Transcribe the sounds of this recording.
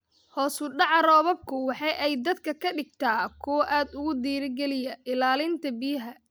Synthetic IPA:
hɔːsʊɖɑʕɾɔːβɔb̚kʰʊwɑħɑjʔɛjd̪ɐd̪kʰɐkʰɐɖɪɡ̚t̪ʰaːkʰɔwʔaːd̪ʊɣʊd̪iːɾɪɡɛlɪjɐʔɪlaːlɪnt̪ʰɐbɪjɪɦɐ

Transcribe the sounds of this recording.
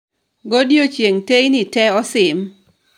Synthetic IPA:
ɡodjot͡ʃjeŋtejnɪtɛɔsɪm

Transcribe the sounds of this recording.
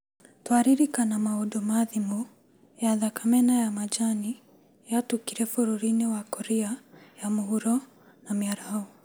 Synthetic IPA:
twaɾiɾikanamaodomaðimu | jaðakamɛnajamad͡ʒani | jatukiɾɛfoɾoɾinewakɔɾiajamoɦuɾɔ | namiaɾaaɔ

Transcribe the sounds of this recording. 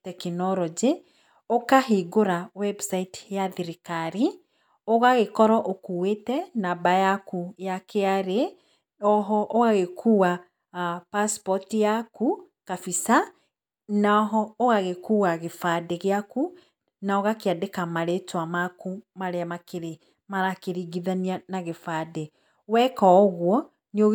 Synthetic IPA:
tɛkinɔɾɔd͡ʒe | okaɦiɡoɾawɛbsaitjaðiɾikaɾi | oɣaɣekɔɾɔʔokuwetɛnabajakujakeaɾe | ɔɦɔʔoɣaɣekʰuːwa | paspɔtijaku | kafisa | naɔɦɔoɣaɣekuːwaɣefadeɣeaku | naoɣakeadekamaɾetwamakumaɾeamakeɾe | maɾakeɾiɡiðanianaɣefade | wɛkɔɣwɔ | neo

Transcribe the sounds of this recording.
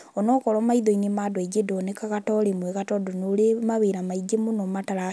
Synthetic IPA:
ɔnɔkɔɾɔmaiðɔinemaːdwed͡ʒedɔnekaɣatɔɾemwɛɣatɔdonoɾemaβeɾamaid͡ʒemunɔmataɾa

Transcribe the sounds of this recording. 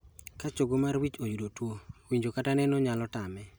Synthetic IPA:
kat͡ʃoɡomarwit͡ʃojudotwowiɲd͡ʒokatanɛnɔɲalɔtamɛ

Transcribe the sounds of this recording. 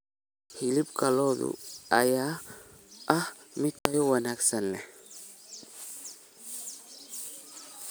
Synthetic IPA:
hɪlɪbkʰɐlɔːðʊ̰ɐjaː | ʔɐhmɪt̪ʰɐjɔwɐnaːɡsɐnlɛ

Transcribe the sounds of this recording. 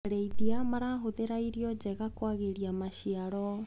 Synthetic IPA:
ɾeiðiamaɾaɦoðeɾaiɾiɔd͡ʒɛɣakwaɣeɾiamaʃiaɾɔ

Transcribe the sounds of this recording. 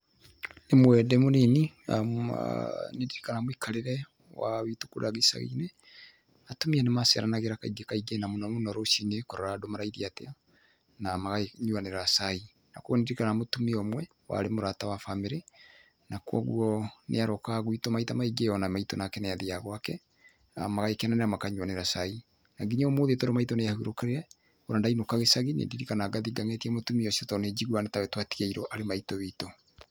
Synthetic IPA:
nemwɛdɛmoninḭ | nediɾikanamwikʰaɾeɾɛ | wa̰βitukuɾaɣisa̰ɣḭnɛ | atomianemasɛ̰ɾanaɣeɾakaiɡekaiɡenamunamunɔɾoʃinekoɾɔɾadomaɾaiðiate | namaɣaɲuaneɾasai | nakwɔnediɾikaamotumiɔmwɛ | wa̰ɾemoɾatawafameɾe | nakwɔ̰ɣṵɔnʔḛaɾɔkaɣwitɔmaitamaiɡeɔnamaitɔnakɛneaðiaɣwakɛ | a̰maɣaikɛnaneamakaɲuwaneɾasai | naɡiɲamoːðetɔɾomaitɔneahuɾokɛɾeɾɛ | oɾandainokaɣesaɣinḛndiɾikanaɡaðiɡaŋetiɛmotumiɔsiɔtɔned͡ʒiɣwanetawɛtwatiɣaiɾɔʔaɾemaitɔβito

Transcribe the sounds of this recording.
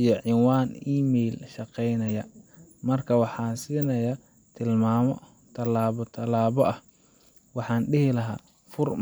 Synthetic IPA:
ijɔʕɪnwaːniːmɛjlʃɑqɛjnɐjɐ | mɐrkʰɐwɑħɑːnsiːnɐjɐ | t̪ʰɪlmaːmɔ | t̪ʰɐlaːβɔt̪ʰɐlaːβɔʔɐh | wɑħɑːnɖɪɦɪlɐɦa̰ː | fʊr

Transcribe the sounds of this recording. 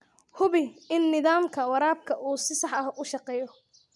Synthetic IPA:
hʊβɪɪnːɪðaːmkʰɐwɑɾaːb̚kʰɐʔuːsɪsɑħɐhʊʃɑqɛːjɔ

